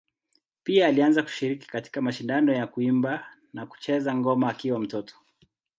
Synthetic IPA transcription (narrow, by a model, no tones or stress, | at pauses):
piaːlianzaku̥ʃiɾiki̥kati̥kamaʃindanɔjakuimba | naku̥t͡ʃɛzaŋɡɔmaːkiwam̩tɔtɔ̥